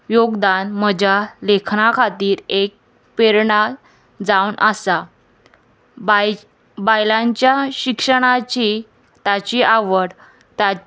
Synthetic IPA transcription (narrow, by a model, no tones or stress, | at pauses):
joɡd̪anməd͡ʑʱalekʰnakʰat̪iːɾek̚ | peɾɳa | d͡zawnʔəsa | bajlaɲt͡ɕjaɕikʂəɽ̃at͡ɕi | t̪at͡ɕiʔaʋəɽ | t̪a